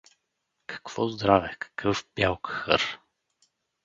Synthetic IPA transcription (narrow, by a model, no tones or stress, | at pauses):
kʰɐ̥kv̥ɔzd̪ɾavɛkɐ̥kʰəfbʲjalˠkxə̰ɾ